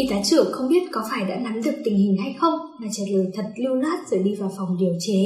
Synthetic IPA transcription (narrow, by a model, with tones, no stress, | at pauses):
i˨˧˩t̪aː˨˦t͡ɕɨ̰˧˩əŋxə˧wŋ͡mɓi˦˥ət̚kɔ˨˦faː˧˩jɗa̰ː˧˥na˨˦mɗɨ˨˩ək̚t̪ï˨˩ŋ̟hï˨˩ŋ̟ɦa˧jxə˧wŋ͡mmaː˨˩t͡ɕəː˨˩t̚ləː˨˩jt̪ʰə˨˩t̚li˧wlaː˦˥t̚z̥ɨ̰ː˧˩ɗi˧vaː˨˩wfa˨˩wŋ͡mɗi˧˩əwt͡ɕe˨˦